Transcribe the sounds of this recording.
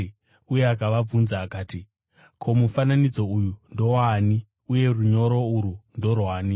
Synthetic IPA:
ujeakaʋab͡vunzaːkaːti | kʰo̞mufananid͡zo̞ujundo̞wani | uje̞ruɲo̞ɾo̞uɾundo̞rwaːni

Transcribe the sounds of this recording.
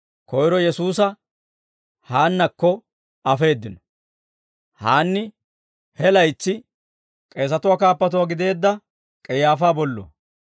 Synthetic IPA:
kɔjɾɔjɛsuːsɐ | haːnːɐkːɔ | ɐfe̞ːd̪ːɪnɔ̥ | haːnːɪ | hɛlɐjt͡sːɪ | kʼe̞ːs̬ɐt̪ʊwaːkaːpːɐt̪ʊwaɡɪd̪e̞ːd̪ːɐ | kʼɛjaːfaːbɔlːo̰ː

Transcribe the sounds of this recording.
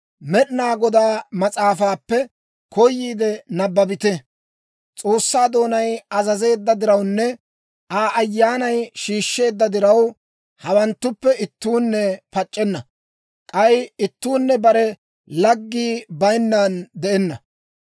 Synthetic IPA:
mɛɗnaːɡɔd̪aːmɐt͡sʼaːfaːpːɛ | kɔjːiːd̪ɛnɐbːɐbɪt̪ɛ | t͡sʼo̞ːsːaːd̪o̞ːnɐjɐzɐze̞ːd̪ːɐd̪ɪɾɐwnːɛ | ʔaːʔɐjːaːnɐjʃiːʃːe̞ːd̪ːɐd̪ɪɾɐw | hɐwɐnt̪ːʊpːɛɪt̪ːuːnːɛpɐt͡ʃʼːɛnːɐ | kʼɐjɪt̪ːuːnːɛbɐɾɛ | lɐɡːiːbɐjnːaːnd̪ɛʔɛnːɐ

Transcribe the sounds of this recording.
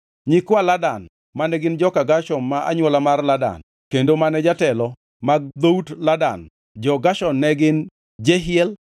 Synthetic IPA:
ɲɪkwaladan | manɛɡɪnd͡ʒɔkaɡaʃɔnmaʔa̰ɲwɔlamarlada̰n | kendomanɛd͡ʒatɛlɔ | maɡ̚d̪outlada̰n | d͡ʒɔɡaʃɔnːɛɡɪn | d͡ʒeɦɪɛl

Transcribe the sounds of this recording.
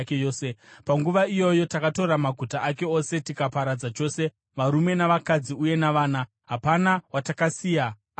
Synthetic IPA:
keoːsepaŋɡuʋaijo̞jo̞takato̞ɾamaɡʱutaʔake̞o̞se̞tikapaɾad͡zat͡ʃo̞ːse̞ | ʋaɾume̞naʋakad͡ziuje̞naʋaːna | ɦapanawatakasiːja

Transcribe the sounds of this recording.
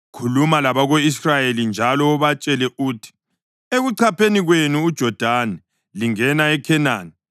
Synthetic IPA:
kʰulumalaβaɣoisrajelind͡ʒʱalɔːβat͡ʃʼɛlɛʔuːtʰi̥ | eɣuǀʰapʰeniɣwenuːd̥ʒ̥ʱɔd̥ʱanɛ | liŋɛnaɛkʰɛnaːni

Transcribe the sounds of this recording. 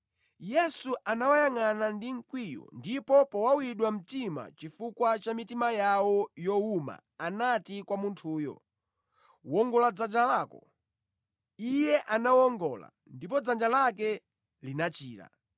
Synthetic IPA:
jɛsuʔanawajaŋanandiŋ̩kwijɔ̰ndipɔpɔwawiɗwam̩tima̰t͡ʃifukwat͡ʃamitimajawɔjɔuma̰ːnatikwamuntʰuːjɔ̰ | wɔŋɡɔlad͡zand͡ʒalaːkɔ | ijɛʔanawɔŋɡɔla̰ | ndip̬ɔd͡zand͡ʒalakɛ | linat͡ʃiːɾa̰

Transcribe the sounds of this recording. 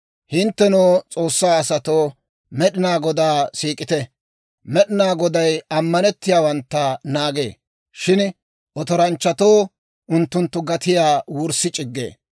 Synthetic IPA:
hɪnt̪ːɛnoːt͡sʼo̞ːsːaːɐsɐt̪oː | mɛɗɪnaːɡɔd̪aːsiːkʼɪt̪ɛ | mɛɗɪnaːɡɔd̪ɐjɐmːɐnɛt̪ːɪjaːwɐnt̪ːɐnaːɡḛː | ʃɪn | ʔɔt̪ɔɾɐnt͡ʃːɐt̪oː | ʔʊnt̪ːʊnt̪ːʊɡɐt̪ɪjaːwʊɾsɪt͡ʃʼɪɡːḛː

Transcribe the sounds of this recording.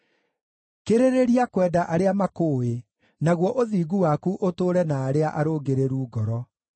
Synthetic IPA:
keɾeɾeɾiakwɛːdaʔaɾeamakoːwe | naɣwɔʔoðiːɡuwakuʔotoːɾɛnaːɾeaʔaɾoːɡeɾeɾuːɡɔɾɔ

